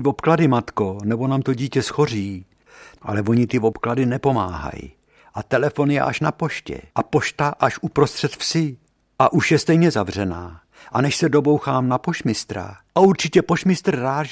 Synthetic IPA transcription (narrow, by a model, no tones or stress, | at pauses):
vopkladɪmat̪ko̞nɛbo̞naːmt̪o̞ɟiːcɛsxo̞riː | ʔa̰lɛvo̞ɲɪt̪ɪvopkladɪnɛpo̞ma̰ːɦa̰j | ʔat̪ɛlɛfo̞njɛ̰ʔaʃnapo̞ʃcɛ̰ʔapo̞ʃt̪aʔaʃʔupɾost̪r̝̥ɛt̪fsɪ | ʔaʔuʃjɛst̪ɛjɲɛzavr̝ɛna̰ː | ʔanɛʃsɛdo̞bo̞wxaːmnapo̞ʃmɪst̪ɾa̰ʔauɾt͡ʃɪcɛpo̞ʃmɪst̪r̩ːaːʒ